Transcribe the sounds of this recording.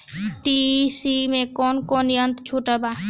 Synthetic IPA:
ʈisimẽkɔːnkɔːnjənt̪t͡ʃʰuːʈəbaː

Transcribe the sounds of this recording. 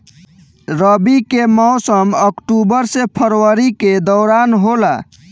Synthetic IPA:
ɾəbikemɔʊsəməkʈubəɾsepʰəɾwəɾiked̪ɔɾanɦola

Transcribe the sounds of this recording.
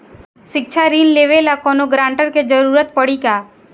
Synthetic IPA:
ʃɪk̚ʃʰaɾiːnleːʋelakɔːnoɡɾãːɳʈəɾked͡ʒəɾuːɾət̪̚pəɽikaː

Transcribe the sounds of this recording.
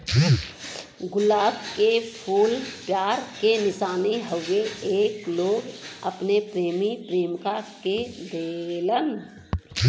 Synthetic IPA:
ɡʊlaːbkepʰuːlpjaːɾkenɪsaːniɦəweeːkloːɡəpnepɾeːmipɾeːmkaked̪eːlən

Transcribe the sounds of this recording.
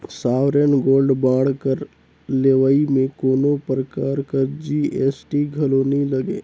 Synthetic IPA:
saːwɾənɡoːlɖbaːɽ̤kəɾ | leʋaimẽkoːnopɾəkaːɾkəɾd͡ʒieːsʈiɡʱɐloːnilɐɡeː

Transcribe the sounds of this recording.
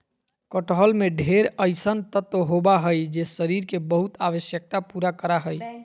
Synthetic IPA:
kəʈɦəlmeɖʱeɾəjsənt̪ət̪ːoɦobaɦəjd͡ʒesəɾiɾkebəɦut̪abəsjək̚t̪apuɾakəɾaɦəj

